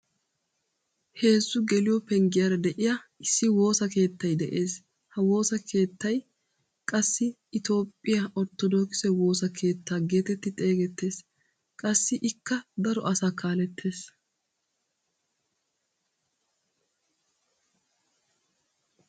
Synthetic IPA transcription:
he̞ːzːʊɡɛlɪjɔpɛŋɡɪjɐɾɐd̪ɛʔɪjɐɪsːɪwo̞ːsɐke̞ːt̪ːɐjd̪ɛʔe̞ːs | hɐwo̞ːsɐkʰe̞ːt̪ːɐj | kʼɐsːɪːt̪o̞ːpʼːɪjɐʔɔɾt̪ːɔd̪oːkɪ̥sɛwo̞ːsɐkʰe̞ːt̪ːaːɡe̞ːt̪ɛt̪ːɪt̪ʼe̞ːɡɛt̪ːe̞ːs | kʼɐsːɪʔɪkːɐd̪ɐɾɔ̰ʔɐsaːkʰaːlɛt̪ʰːe̞ːs

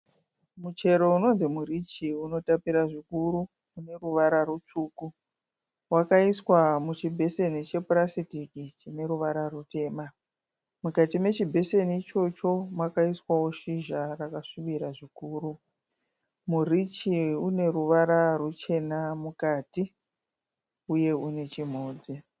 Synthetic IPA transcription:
mut͡ʃe̞ɾo̞uno̞nzimurit͡ʃiuno̞tapiɾaʐikuɾu | une̞ruʋaɾarut͡ʂuːku | wakaiswamut͡ʃibʱe̞se̞nit͡ʃe̞purasitikit͡ʃine̞ɾuʋaɾarute̞ːma | mukatime̞t͡ʃibʱe̞se̞nit͡ʃo̞t͡ʃo̞mwakaiswawo̞ʃiʒarakaʂuɓiɾaʐikuːɾu | murit͡ʃiune̞ɾuʋaɾarut͡ʃe̞namukaːti | uje̞une̞t͡ʃim̤oːd͡zi

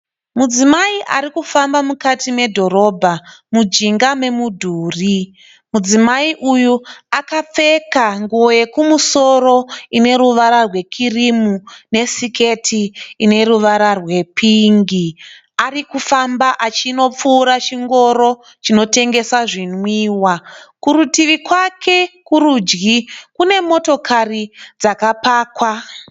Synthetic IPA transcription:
mud͡zimaiʔaɾikufambamukatime̞dʱo̞ɾo̞ːbʱamud͡ʒiŋɡame̞mudʱuːri | mud͡zimaiʔujuakap͡fe̞kaŋɡuoje̞kumuso̞ɾo̞ine̞ɾuʋaɾarwe̞kʰirimune̞sike̞tʰiːne̞ruʋaɾarwe̞pʰiŋɡi | arikufambaʔat͡ʃino̞p͡fuːɾat͡ʃiŋɡo̞ɾo̞ | t͡ʃino̞te̞ŋɡe̞saʐinwiːwakuɾutiʋikwakʰe̞kuɾud͡ʒɡikune̞mo̞to̞kʰarid͡zakapaːkwa

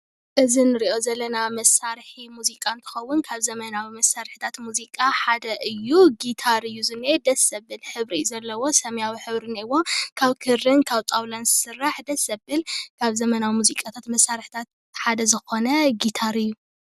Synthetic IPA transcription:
ʔɨzinɨɾiʔo̞zɐlːɐnamɐsːaɾħimuzikʼant̪ʰɨ̥xɐwːʊnkʰaβzɐmɐnawimɐsːaɾħi̥t̪ʰat̪muzikʼaħad̪ɐʔɨjːuɡit̪ʰaɾɨjːuzɨned̪ɐsɐbːɨlħɨβɾḭjuzɐlːɐwo̞sɐmjawiħɨβɾɨniwo̞kʰaβkʰɨɾɨnkʰaβt̪ʼawlanzɨsɨrːaħd̪ɐsɐbɨlkʰaβzɐmɐnawimuzikʼat̪ʰat̪mɐsːaɾħi̥t̪ʰat̪̚ | ħad̪ɐzɨxo̞nɐɡit̪ʰaɾɨjːu

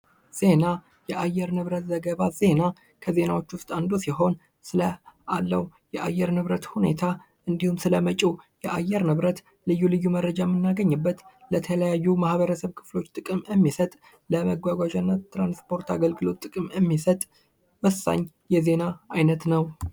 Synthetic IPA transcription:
z̥e̞na | jɛʔajːɛɾnɨβɾət̪zəɡəβaz̥e̞na | kʰəze̞nawo̞t͡ʃːwʊst̪ʼand̪osiɦo̞n | sɨləʔalːəwjɛʔajːɛɾnɨβɾət̪hune̞̰t̪ʰa | ʔɨnd̪ihumsɨləmət͡ʃʼijɛʔajːɛɾnɨβɾət̪ | lɨjːulɨjːumərːəd͡ʒamːɨnːaɡəɲːɨbːət̪lət̪ʰələjajːumahβəɾəsəβkʰɨ̥flo̞t͡ʃːt̪ʼɨkʼɨmjɛmːisət̪ʼ | ləməɡʷaɡʷaʒanːət̪ːɾanspʰo̞ɾt̪aɡəlɡɨlo̞t̪ʼːɨkʼɨmɛmːisət̪ʼ | wəsːa̰ɲː | jɛze̞naajnət̪nəw

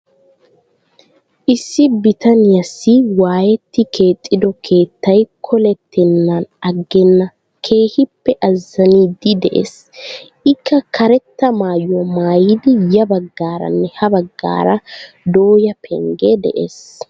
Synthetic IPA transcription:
ʔɪsːɪbɪt̪ɐnɪjɐsːɪwaːjɛt̪ːɪke̞ːt̪ʼːɪd̪ɔkʰe̞ːt̪ːɐjkʰɔlɛt̪ːɛnːɐnɐɡːɛnːɐ | kʰe̞ːhɪpːɛʔɐzːɐniːd̪ɪd̪ɛʔḛːs | ʔɪkʰːɐkʰɐɾɛt̪ːɐmaːjːɔmaːjɪd̪ɪjɐbɐɡːaːɾɐ̰nːɛhɐbɐɡːa̰ːɾɐ | d̪o̞ːjɐpʰɛ̰ŋɡed̪ɛ̰ʔḛːs

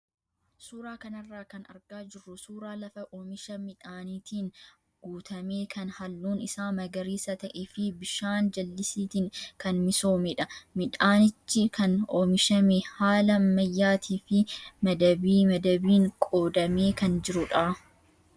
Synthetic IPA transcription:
suːɾaːkɐnɐrːaːkɐnɐ̰ɾɡaːd͡ʒɪrːʊsuːɾaːlɐfɐʔoːmɪʃɐmɪᶑaːniːt̪ʰiːŋ | ɡ̥uːt̪ʰɐme̞ːkʰɐnhɐlːuːnɪsaːmɐɡɐɾiːsɐt̪ɐʔeːfɪbɪʃaːnd͡ʒɐlːɪsiːt̪iːŋkɐnmɪso̞ːmɛᶑɐmɪᶑaːnɪt͡ʃːɪkɐnoːmɪʃɐmɛhaːlɐmɐjːaːt̪ʰiːfɪmɐd̪ɐbiːmɐd̪ɐbiːŋkʼo̞ːd̪ɐme̞ːkɐnd͡ʒɪɾʊᶑaː

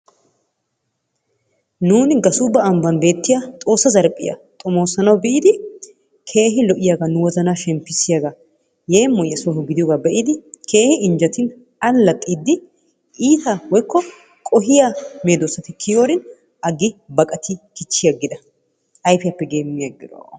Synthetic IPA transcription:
nuːnɪɡɐsʊbɐɐmbɐnbe̞ːt̪ːɪjat̪ʼo̞ːsːɐzɐɾpʼːɪ̰jɐ̰t̪ʼʊmo̞ːsɐnɐwbɪʔɪd̪ɪ | kʰe̞ːɦɪlɔʔɪjaɡɐnʊwɔzɐnaːʃɛmpːɪsɪjaːɡɐ | jeːmːɔjɐsɔhɔɡɪd̪ɪjoːɡabɛʔɪd̪ɪkʰe̞ːhɪɪɲd͡ʒɐt̪ɪn | ɐlːɐt̪ʼːiːd̪ːɪ | ʔiːt̪ɐwɔjkːɔ | kʼɔɦɪjame̞ːd̪osːɐt̪ɪkʰɪjoːɾɪn | ʔɐɡɪbɐkʼɐt̪ɪkɪt͡ʃːɪjɐɡːɪd̪ɐ | ʔɐjfɪjɐpːɛɡeːmːɪjɐɡɪd̪o̰

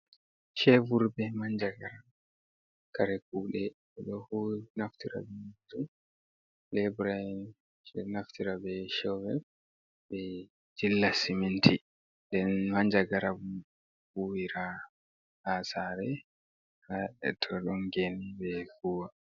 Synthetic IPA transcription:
ʃɛvuɾbɛmaɲd͡ʒaɡaɾa | kaɾɛkuːɗɛ | ɛɗɔhunaftiɾa̰bɛtu | lɛbuɾai | ɛnaftiɾabɛʃɔwɛ | bɛ | d͡ʒilːasimintʰi | dɛnmaɲd͡ʒaɡaɾabu | huwiɾa | hasaːɾɛ | aɛ̰tʰɔɗɔŋɡenibɛfuwa

